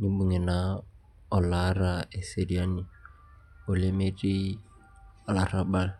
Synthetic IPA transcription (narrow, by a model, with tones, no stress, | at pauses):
nɪ˦bʊ˨ŋɛ˨na | ɔ˨la˦ra˨ɛ˨se˨ɾi˨a˦ni˨ | ʊ˨lɪ˦me˦tʼi˦ | la˨ra˦ba˦l